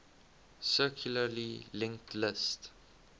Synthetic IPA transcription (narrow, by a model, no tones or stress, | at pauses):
sɜˑkʰjuləlilɪ̃ŋk̚tʰlɪst